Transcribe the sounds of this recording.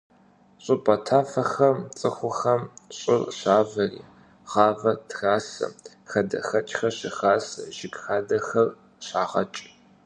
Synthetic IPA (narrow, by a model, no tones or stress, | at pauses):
ɕʼʊpʼɐtʰaːfɐxɐrt͡sʼɨxʷʊxɐmɕʼɪrɕaːvɐrḭː | ʁɑːvɐtʰraːsɐ̰m | xɐdɐ̰xɐt͡ʃʼxɐɕɪxaːsʒɪɡxaːdɐxɐr | ɕaːʁɐ̰t͡ʃʼ